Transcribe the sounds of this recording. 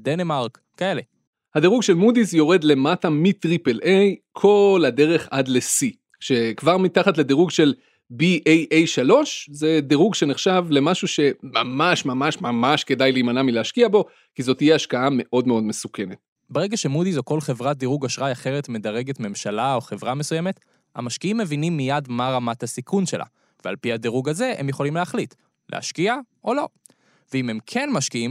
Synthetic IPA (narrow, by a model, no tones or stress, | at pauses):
denemaʁk | kaele | hadiʁuɡʃe̞lmudizjo̞ʁe̞dle̞matamitʁipe̞lʔejkʰo̞lade̞ʁe̞χadle̞si | ʃe̞kvaʁmitaχatle̞diʁuɡʃe̞l | biʔejʔejʃalo̞ʃze̞diʁuɡʃe̞neχʃavle̞maʃuʃe̞mamaʃmamaʃmamaʃke̞dajliːmanamileaʃkiabo̞ | kizo̞t̪ijeaʃkaame̞ʔo̞dme̞o̞dmesuke̞ne̞t̚ | beʁeɡaʃe̞mudizoko̞lχe̞vʁat̚d̪iʁuɡaʃʁajaχe̞ʁe̞tme̞daʁe̞ɡe̞tme̞mʃalao̞χe̞vʁame̞sujeme̞t | ha̰maʃkiimːe̞vinimːijadmaʁamathasikʰunʃe̞lʔa̰ | vea̰lpiadeʁuɡaze̞emjeχo̞limleaχlit | lḛa̰ʃkiaʔo̞lo̞ | veimemkʰenmaʃkiim